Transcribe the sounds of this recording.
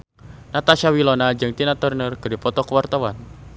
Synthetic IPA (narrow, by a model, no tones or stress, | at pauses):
nat̪aʃawilɔnad͡ʒɨŋt̪inat̪ərnərɡ̥ədipɔt̪ɔkəwart̪awan